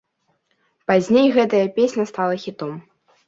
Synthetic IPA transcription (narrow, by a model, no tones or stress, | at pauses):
pazʲnʲejɣɛt̪ɐjɐpʲesʲnʲɐst̪alˠɐxʲit̪ɔm